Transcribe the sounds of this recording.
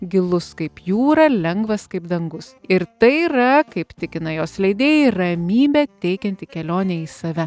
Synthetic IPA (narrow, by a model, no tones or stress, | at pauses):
ɡʲɪlˠʊskɐɪpjuːɾɐlʲɛŋɡʋɐskɐɪpd̪ɐŋɡʊsɪɾt̪ɐɪiɾɐkɐɪpt̪ʲɪkʲɪnɐjoːslʲɛɪd̪ʲeːjirɐmʲiːbʲɛt̪ʲɛɪkʲɛnʲt̪ʲikʲɛlʲoːnʲɛiːsɐʋʲɛ